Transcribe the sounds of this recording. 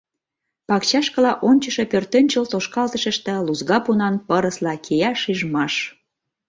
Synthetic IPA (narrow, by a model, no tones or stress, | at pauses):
pɑkt͡ɕɑʃkəlɑʔonʲt͡ɕəʃe̽pørt̪ønʲt͡ɕəlt̪oʃkɑlt̪əʃə̆ʃt̪ĕluzɣɑpunɑnpəɾəslɑkʰejɑʃyʒmɑʃ